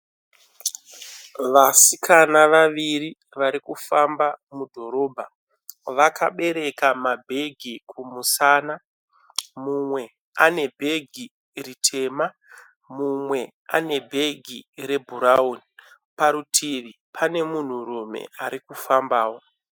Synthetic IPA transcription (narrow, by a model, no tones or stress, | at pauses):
ʋasikanaʋaʋiri | ʋaɾikufambamudʱo̞ɾo̞ːbʱa | ʋaka̰ɓe̞ɾe̞kamabʱe̞ɡʱikʰumusana | mumwe̞ | ane̞bʱe̞ɡʱi | ritʰe̞ːma | mumwe̞ | a̰ne̞bʱe̞ɡʱiɾe̞bʱuɾauni | paɾutʰiʋi | pʰane̞mun̤urumḛaɾikufambaːwo